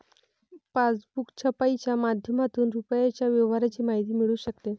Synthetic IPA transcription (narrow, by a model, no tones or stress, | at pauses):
pasbukt͡ɕʰəpait͡ɕjamad̪ʱjəmat̪uːnɾupəjat͡ɕjaʋjəʋɦaɾat͡ɕiːmaɦit̪iːmiɭuːɕəkt̪e